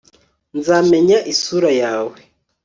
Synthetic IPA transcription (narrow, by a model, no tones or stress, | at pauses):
nzaːmeɲaʔisuːɾajaːwe